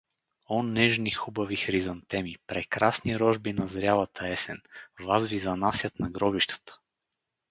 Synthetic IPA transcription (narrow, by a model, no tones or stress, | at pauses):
ɔnːɛʒnixubɐvixɾizɐnt̪ɛmipɾɛkɾasniɾɔʒbinɐzɾʲalˠɐt̪ʰɐɛsɛnvazvizɐnasʲjət̪nɐɡɾɔbiʃt̪ə̥t̪ə̥